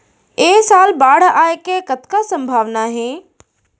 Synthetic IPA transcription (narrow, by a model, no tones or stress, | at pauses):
eːsaːlbaːɽ̤aːekekɐt̪ʰkasɐ̃mbʱaːʋnaɦeː